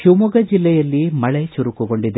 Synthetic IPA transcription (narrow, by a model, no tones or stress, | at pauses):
ʃumuɡɐd͡ʒilːɛjɐlːimɐɭet͡ʃuɾukuɡoɳɖid̪e